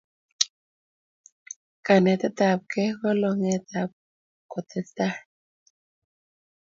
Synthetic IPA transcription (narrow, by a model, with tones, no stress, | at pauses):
ka˨ne˨t̪a˦t̪a˨p̚ke˦ɣɔ˦lo˨ŋe˨t̪a˨p̚ | ko˨t̪ʰɛ˦st̪a˦